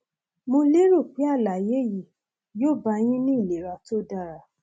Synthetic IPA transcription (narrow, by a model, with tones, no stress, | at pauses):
mõ˧le˦ɾo˦˨k͡pi˨˦a˦˨la˨je˨˦ji˨ | joː˦˨ba˧j̃ĩ˦nĩ˦i˦˨le˨ɾa˧to˦da˧˨ɾa˨